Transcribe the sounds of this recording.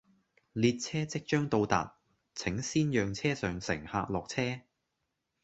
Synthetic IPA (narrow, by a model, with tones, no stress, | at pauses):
liː˧t̚t͡sʰɛː˥t͡sɪ˥k̚t͡ʃœː˥ŋt̪o˧wt̪a̰ː˨t̚ | t͡sʰɪ˨˥ŋsiː˥njœː˨˧ŋt͡sʰɛː˥sœː˨˧ŋsɪ̰˨˩ŋhaː˧k̚lɔː˨k̚t͡sʰɛː˥